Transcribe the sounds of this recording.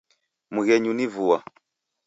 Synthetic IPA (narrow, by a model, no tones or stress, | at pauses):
muɣɛɲunivuwa̰